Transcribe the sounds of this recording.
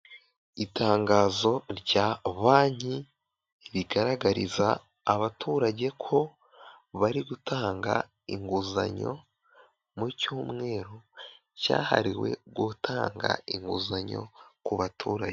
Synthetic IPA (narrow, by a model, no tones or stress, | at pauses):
itaːŋɡaːzo̞ɾɟaːβaːɲi | βiɡaɾaɡaɾizaː | βatʰuːɾaɟe̞kʰo̞ | βaɾiɡutʰaːŋɡa̰ | iŋɡuza̰ɲo̞̰ | mucuːmŋe̞ːɾo̞ | ca̰ːha̰ɾiwe̞̰ɡutʰaːŋɡa̰iŋɡuzaɲo̞̰kuβatʰuːɾaɟe